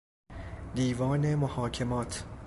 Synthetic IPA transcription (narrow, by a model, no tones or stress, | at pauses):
d̪iːvɒːnemohɒːkʰemɒːt̪ʰ